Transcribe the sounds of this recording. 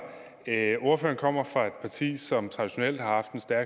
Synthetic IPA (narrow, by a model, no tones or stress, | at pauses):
o̝ɐfø̰ːɐnkʰɒ̽m̰ɐfʁɑ̈e̝d̥̚pʰɑ̈t͡sʰḭːsɒ̽mt͡sʰʁɑ̈d̥iɕo̝nel̰d̥hɑ̈hɑ̈fd̥ensd̥æɐɡ